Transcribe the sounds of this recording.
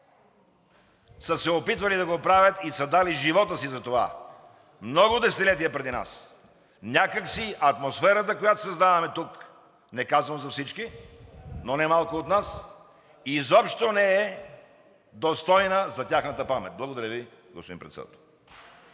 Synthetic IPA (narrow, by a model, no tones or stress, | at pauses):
səsɛopit̪vɐlid̪ɐɡopɾavʲət̪isɐd̪aliʒivɔt̪əsizɐt̪ova̰ | mnɔɡod̪ɛsɛt̪ilɛt̪̬iəpɾɛd̪ina̰s | nʲakəksiʔɐt̪mosfɛɾət̪əkojat̪o̥sɐzd̪avɐmɛt̪uk | nɛkazvɐnzɐfsit͡ʃki | nonɛmalˠkoːt̪nas | izɔpʃt̪onɛɛ | d̪ost̪ɔjnəzɐt̪ʲaxnət̪əpamɛ̰t̪̚blˠɐɡod̪ɐɾjəvi | ɡospoḭ̃mpɾɛt̪sɛd̪a̰t̪ɛlˠ